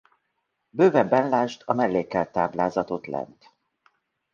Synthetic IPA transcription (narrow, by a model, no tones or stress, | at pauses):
bøːvɛbɛnlaːʃt̪ʰɒmɛlːeːkɛlt̪aːblaːzɒt̪o̞t̪lɛ̰nt̪